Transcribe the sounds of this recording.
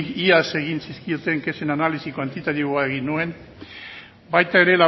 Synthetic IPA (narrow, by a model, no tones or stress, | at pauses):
iase̞ɣinsiskiot̪eŋke̞senanalisikwant̪it̪aðioaeɣinuen | bajt̪ae̞ɾela